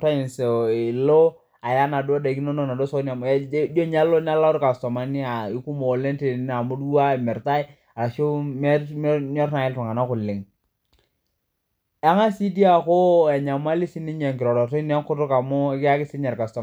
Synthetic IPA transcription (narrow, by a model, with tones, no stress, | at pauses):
ta˦i˨nse˨lo˦ | a˨ja˦na˨do˦da˨ki˦no˦no˦na˨do˦so˦na˨m˦d͡ʒo˦ɲa˦lo˦n˦a˦la˦ʊ˦ɾka˨stɔ˨ma˨˦ni˦a˨ɪ˦ku˦mo˨le˦nte˨˦n˦a˨mu˦du˦a˦ɛ˨mɛ˨ɾta˦j | a˨ɾa˨ʃo˦mɛ˦m˦ɲɔ˦ɾna˨ɪ˦ltu˨ŋa˨na˦kʊ˨lɪ˨ŋ | ɛ˦ŋa˦si˦di˦a˦˨ko˦ɛ˨ɲa˨ma˦li˦si˦ni˦ɲe˨ŋkɪ˨ɾɔ˨ɾɔ˨ti˦nɛ˦ŋkʊ˦tʊ˦ka˨mʊ˦kɪ˦a˦kɪ˦sɪ˦ɲɛ˨ɾka˨stɔ˨